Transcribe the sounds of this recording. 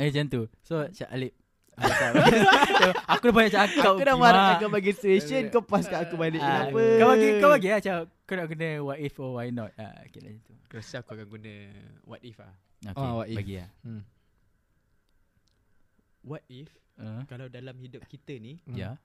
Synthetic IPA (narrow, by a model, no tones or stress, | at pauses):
ed͡ʒənt̪usot͡ʃa̰ʔa̰lɪp̚ | aaasoakudapaɲaʔt͡ʃaʔakakudamaɾaakabaɡisueʃənkopaskaakubalɪʔkaənaəkawaɡikawbaɡiaht͡ʃawkonaʔɡunəwat̪ifɔwajnɔt̪̚a̰kila̰ət̪ukəɾəsakuakanɡunə | wa̰t̪̚ifa̰ | o̰kwaibaɡia̰ | wat̪̚ifəkalawdalamhidʊp̚kit̪ənija